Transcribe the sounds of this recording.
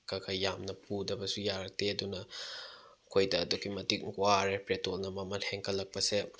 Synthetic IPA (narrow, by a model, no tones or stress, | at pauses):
kaɡɐjamnɐpudɐbɐsujaɾɐk̚teɐdunɐ | kʰojdɐːduɡimɐtik̚ŋɡwaɾepɾetolnɐmɐmɐnheŋkʰɐlːɐk̚pɐse